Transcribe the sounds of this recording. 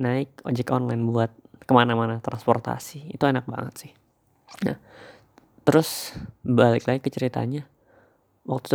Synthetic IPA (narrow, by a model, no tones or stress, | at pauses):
naɪk̚od͡ʒɛkɔnlainbuat̪̚kəmanamanat̪ɾanspɔrt̪a̰siːt̪uenak̚ba̰ŋət̪sɪh | ja̰ | t̪əɾʊsbalɪklaikːət͡ʃəɾit̪a̰aɲa | wʔak̚t̪u̥t̪